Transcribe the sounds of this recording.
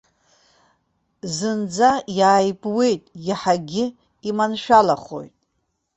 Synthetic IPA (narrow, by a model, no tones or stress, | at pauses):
zɨnd͡zajaːjbʼwe̞jtʼjaħaɡʲɪ | imanʃᶣalaχo̞̰jtʼ